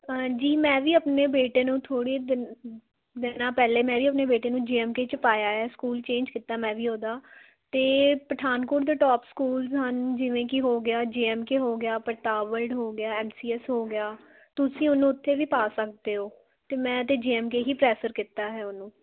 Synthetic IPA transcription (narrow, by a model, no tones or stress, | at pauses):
d͡ʒiːmɛ̃ːʋiːəpneːbeːʈeːnũːt̪ʰoːɽeː | d̪ɪnãːpɛːleːmɛ̃ːʋiːəpneːbeːʈeːnũːd͡ʒeːɛːmkeːt͡ʃəpaːjaːɦɛːskuːlt͡ʃẽːnd͡ʒkɪt̪ːaːmɛ̃ːʋiːɦoːd̪aː | t̪eːpəʈʰaːnkoːʈd̪eːʈɔːpskuːlzɦənd͡ʒɪʋẽːkɪɦoːɡɪjaːd͡ʒeːɛːmkeɦoːɡɪjaːpəɾt̪aːʋəlɖɦoːɡɪjaːɛːmsiːɛsɦoːɡɪjaː | t̪ʊsĩːʊnːũːʊt̪ʰːeːʋiːpaːsək̚d̪eːɦoː | t̪eːmɛ̃ːt̪eːd͡ʒeːɛːmkeːɦiːpɾɛːsəɾkɪt̪ːaːɦɛːʊnũː